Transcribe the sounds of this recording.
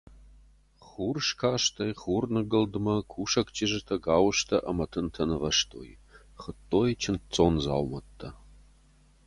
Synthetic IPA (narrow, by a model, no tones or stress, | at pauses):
χuːrʂkʰaːʃt̪ʰɐjχuːrnɨɡɨldɨmɐkʷʰuːʃɐkt͡ʃʼiʒɨt̪ʰɐɡaːwʃtʰɐʔɐmɐtʰɨntʰɐnɨʁɐʂtʰo̰ːj | χət̪ʰʼːoːjt͡ʃʰɪnt͡sʼoːnza̰ːwmɐt̪ʰːɐ